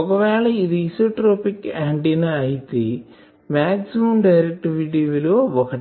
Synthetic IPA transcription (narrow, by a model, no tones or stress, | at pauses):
oɡɐʋaːɭeiðisoʈɾoːpikːaːɳɖinɐɐjt̪ːi | maːksimɐmɖɐjɾɐk̚ʈiʋiʈiʋiloːʋɐkɐ